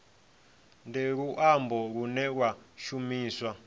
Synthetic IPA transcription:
ndeɺuʔambɔɺunɛk̬waʃumiːswa

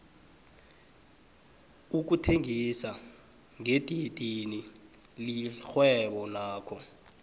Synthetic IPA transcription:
uk̬utʰeŋisa | ŋetʼitʼini | lixwɛɓɔnaːkʰɔ

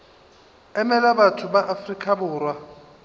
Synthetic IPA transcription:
ɛmɛlabatʰʊbaʔafrikʼabʊːrwa

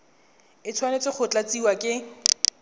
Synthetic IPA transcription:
ɪt͡sʰwanet͡sʼɪχʊt͡ɬat͡siwakʼɪ

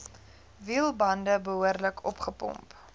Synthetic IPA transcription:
viəlˠbɐndəbəɦuərləkʰɔpχəpɔ̰mp

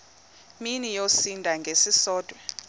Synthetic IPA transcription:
minijosindʼʱaŋɡʱesisɔːd̥ʱwɛ

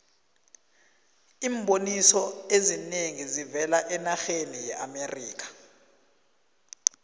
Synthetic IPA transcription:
iːmɓonisɔezineŋizivɛlaʔɛnaxenijɛʔameriːk̬ʰḁ

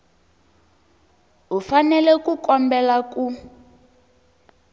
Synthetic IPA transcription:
ɦufanɛlɛkukɔmbɛlaku

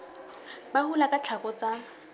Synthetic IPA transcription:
bahulakat͡ɬʰakʼɔt͡sʼa

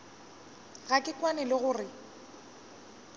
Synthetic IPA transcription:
ɣakʼɪkʼwanɛlɪɣʊːrɪ

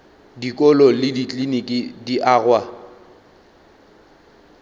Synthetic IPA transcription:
dikʼɔlɔlɪdit͡ɬʼlinikʼidiʔaːɣwa

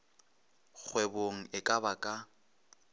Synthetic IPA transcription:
k͡xʰweboŋ̩ɪkʼabakʼa

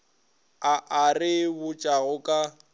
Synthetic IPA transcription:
aʔarɪbʊt͡ʃʼaɣʊkʼa

